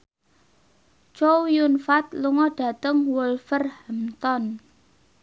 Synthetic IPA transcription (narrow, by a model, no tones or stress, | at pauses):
t͡ʃowjunfat̪luŋɔɖ̥a̤t̪əŋwulfərhəmt̪ɔn